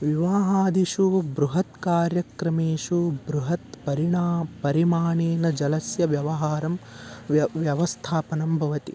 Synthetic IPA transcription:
ʋiʋaːɦaːd̪iʂubɾuɦɐt̪kaːɾjɐkɾɐmeːʂubɾuɦɐt̪pɐɾiɳaːpɐɾimaːɳeːnɐd͡ʒɐlɐsjɐʋjɐʋɐɦaːɾɐm | ʋjɐʋɐst̪ʰaːpɐnɐmbʱɐʋɐt̪i

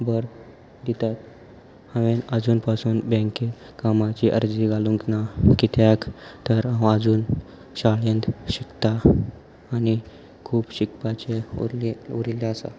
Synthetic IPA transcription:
bəɾ | d̪it̪at̪ | hə̃ʋenəd͡zuːnpasuːnbɛ̃ŋke | kamat͡ɕiʔə̰ɾd͡ziɡalũŋknakit̪ʰjakt̪əɾãwəd͡zuːn | ɕaɭend̪ɕikt̪aː | ni | kʰuːbɕikpat͡ɕe | uɾilaəsa̰

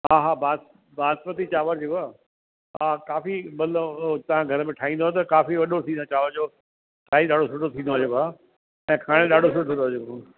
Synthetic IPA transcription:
ɦaːɦaːbʱaː | bʱaːspət̪it͡ɕaːʋəɾd͡ʑeaː | akaːfimɐlt̪ɐʋ̤ãɡʱɐɾəmẽʈʰaːɦĩːn̆d̪oːt̪ɐkaːfiʋɐɗosʰĩːt͡ɕaːʋəɾd͡ʑoː | sʰaːiɗaːɖ̤ʱosʊʈot̪ʰĩːnd̪oaːd͡ʑoːbaː | ɛ̃ːkʰaːɽ̃eɗaːɖʱosʊʈoĩːoaːd͡ʑo

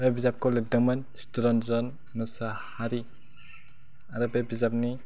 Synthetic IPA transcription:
bebizap̚kɔledɔman | stuɾɔnzɔn | mɯsahaɾi | aɾɔbebizap̚ni

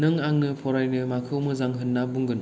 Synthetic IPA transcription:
nɯŋaŋnɯpʰɔɾajnɯmakʰɯwmɯzaŋɦɯnːabuŋɡɯn

